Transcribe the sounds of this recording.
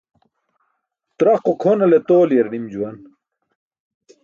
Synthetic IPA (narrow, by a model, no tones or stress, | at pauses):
t̪ɾɐqokʰonɐlet̪oːljɐɾnimd͡ʑuwɐn